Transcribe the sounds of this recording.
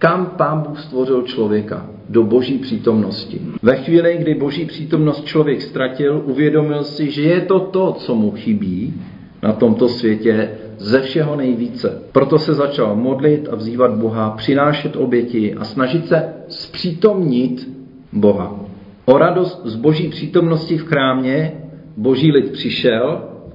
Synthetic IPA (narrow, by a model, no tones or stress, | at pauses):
kampaːnbuːxst̪vo̞rɪlt͡ʃlo̞vjɛka̰ | do̞bo̞ʒiːpr̝̥iːt̪o̞mno̞scɪ̰vɛxviːlɪɡdɪbo̞ʒiːpr̝̥iːt̪o̞mno̞st̪̚t͡ʃlo̞vjɛkst̪ɾacɪlʔuvjɛdo̞mɪlsɪʒɛjɛt̪o̞t̪o̞t͡so̞muxɪbiː | nʔat̪o̞mt̪o̞svjɛcɛ | zɛfʃɛɦo̞nɛjviːt͡sɛpɾo̞t̪o̞sɛzat͡ʃalmo̞dlɪt̪avziːvad̪̚bo̞ɦapr̝̥ɪnaːʃɛt̪ʔo̞bjɛcɪʔa̰snaʒɪt̪sɛspr̝̥iːt̪o̞mɲɪt̪ | bo̞ɦa̰ | ʔo̞ɾado̞st̪̚zbo̞ʒiːpr̝̥iːt̪o̞mno̞scɪfkɾaːmɲɛ | bo̞ʒiːlɪt̪pr̝̥ɪʃɛl